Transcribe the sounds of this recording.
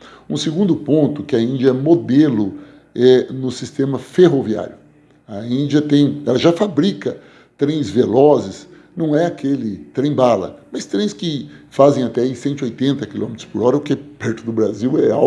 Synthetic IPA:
ũsɪɡũnd̪ʊpõnt̪ʊkɪɐĩnd͡ʒiɐɛmod̪elʊ | ɛnʊsist̪ẽmɐfeɦovia̰ɾjʊ | ɐĩd͡ʒɐt̪ẽj̃ɛlɐʒafabɾikɐ | t̪ɾẽj̃zvelɔzɪs | nɐ̃w̃ɛakʰelɪt̪ɾẽj̃balɐ̰mɐst̪ɾẽj̃skɪfazẽj̃at̪ɛisẽnt̪ɪojt̪ẽnt̪ɐkilõmɪt̪ɾʊ̥spʊɾɔɾɐʊkɛpɛɾt̪ʊd̪ʊbɾaziwɛa

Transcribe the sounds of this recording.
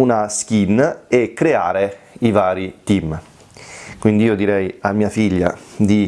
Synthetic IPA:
unask̟inekːɾeaːɾeivaːɾit̪im | kwind̪iiːod̪iɾɛjamːiːafiʎːa̰d̪i

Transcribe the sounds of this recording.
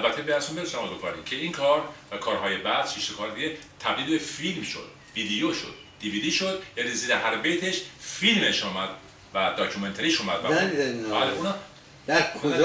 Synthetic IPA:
ælbæt̪ʰːebeæsumbeesæmɒːzokʰɒ̰ːɾicʰeiːŋkʰɒːɾkʰɒːɾɦɒːjebæd̪ʃiʃekʰɒːɾd̪iɡet̪ʰæbd̪iːlbe̞filmʃo̞̰d̪̥̚ | vid̪ijoʃo̰d̪̥̚ːiviːd̪iːʃod̪jæniziːd̪ehæɾbejt̪ʰeʃfilmeʃuːmæd̪̥ | væd̪ɒcʰument̪ʰeɾiːʃuːmæd̪vææibæːleunɒ | d̪̥æɾkʰond͡ʒ

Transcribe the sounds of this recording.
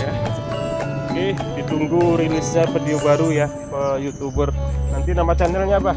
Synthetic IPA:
ja | kehdit̪uŋɡuɾilɪsɲapədiobaɾuja | kəjut̪ubərnant̪inamat͡ʃanəlɲaba

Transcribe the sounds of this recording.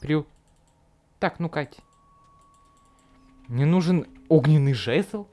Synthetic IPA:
pɾʲu | t̪aknʊkatʲ | nʲɪnuʐɨnoɡnʲɪnːɨjʐɛsəlˠ

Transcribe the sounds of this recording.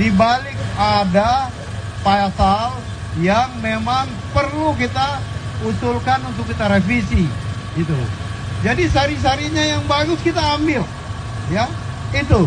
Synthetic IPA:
dibalɪk̚ada | paasal | jaŋmemaŋ | pərlukit̪ausʊlkanunt̪ʊkːit̪aɾefisiɡit̪ud͡ʒadisaɾis̬aɾiɲajaŋbaɡʊskit̪aːmbɪl | ja | it̪u

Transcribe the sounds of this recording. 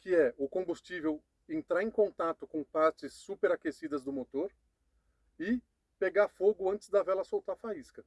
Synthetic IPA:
kɪɛʊkõbust͡ʃivew | ẽnt̪ɾaẽkõnt̪at̪ʊkõpaɾt͡ʃɪsːupeɾakesid̪ɐzd̪ʊmot̪oɾ | ɪ | peɡafoɡʊɐ̃nt͡ʃɪ̥zd̪ɐvɛlɐsowt̪aɾfaiskɐ

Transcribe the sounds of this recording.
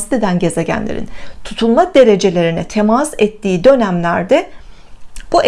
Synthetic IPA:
sd̪ed̪ænɟe̞zeɟæ̰nlʲeɾḭnt̪ʰu̥t̪ʰulˠmad̪e̞ɾe̞d͡ʒe̞lʲe̞ɾinɛt̪ʰemasɛt̪ʰːiːd̪ø̞næmlʲæɾd̪ɛ | b̥uʔ

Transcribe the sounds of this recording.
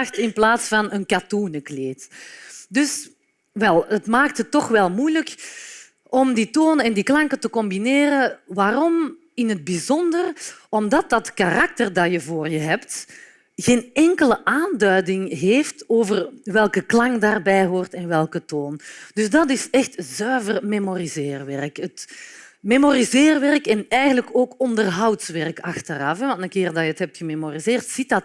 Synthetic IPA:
xtɪnplaːtsfɑnənkatunəkleːtdʏs | ʋɛlˠətmaːk̚thətːɔxʋɛlˠmujlək | ɔmdiːtoːnəɛndiːklɑŋkətəkɔmbineːɾəʋaːɾɔm | ɪnɦəd̚bizɔndərɔmdɑt̚dɑtkarɑk̚tərdɑjəvoːrjəɦɛpt | ɣeːnɛŋkələʔaːndœɥdɪŋɦeːftoːvərʋɛlˠkəklɑŋdaːrbɛjɦoːrtɛnʋɛlˠkətoːnd̥ʏzdɑtɪsɛxtzœːvərmemorizɪːrʋɛrkət | memorizeːrʋɛrkɛnɛjɣənləkoːkɔndərɦɑwtsʋɛrkɑxtərɑfɛʋɑ̃ntənkɪːrdɑjəətɦɛp̚txəmemorizɪːrtsit̚dɑt

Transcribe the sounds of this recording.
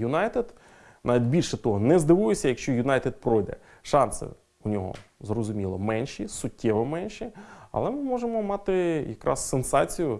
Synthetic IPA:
jʊnɑjt̪ed̪ | nɑʋʲidʲbʲilʲʃɛt̪ɔɦɔnɛzd̪ɪʋujesʲɐjɐkʃt͡ʃɔjʊnɑjt̪ed̪̚pɾɔjd̪ɛ̰ | ʃɑnsɪ̰ | ʊnʲɔɦɔ̰zrɔzʊmʲilˠɔ̰mɛnʲʃisʊtʲːɛʋɔmɛnʲʃiɐ̰lˠɛmɪmɔʒemɔmɑt̪ɪjɐkɾʔɑ̰sːensɑt͡sʲijʊ

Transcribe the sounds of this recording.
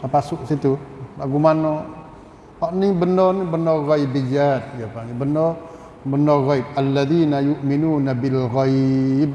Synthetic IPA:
apasʊʔsit̪ulaɡumanɔ | haʔnibənɔnibənɔɣɔibid͡ʒat̪̚japanibənɔ | bənɔɣɔjb̚alːaðinajuʔminunabilɣajb̚

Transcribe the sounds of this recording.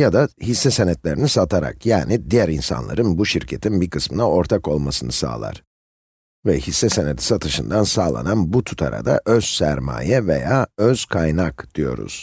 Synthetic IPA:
jad̪ahisːɛsenɛt̪lʲe̞ɾinisat̪ʰaɾa̰kjaːnid̪ijæɾinsa̰nlˠa̰ɾɯnbuʃiɾcʰet̪ʰinbiɾkʰɯsmɯnao̞ɾt̪ʰako̞lˠmasɯnɯsa̰ːlˠa̰ɾ̥ | vɛhisːɛsened̪ʰi̥sat̪ʰɯʃɯnd̪ansaːlˠa̰nanbut̪ʰu̥t̪ʰaɾa̰d̪a̰ʔøz̥sæɾma̰ːjɛvḛjaːøz̥kʰajnakd̪̥ijo̞̰ɾṵz̥

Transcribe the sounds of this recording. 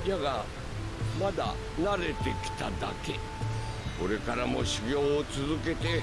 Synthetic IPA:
jaɡa | mad̪a̰ | naɾe̞t̪e̞kʲi̥t̪ad̪a̰ke̞ | ko̞ɾe̞kaɾamo̞̰ɕiɡʲo̞ːt͡sɨzɨke̞t̪e̞

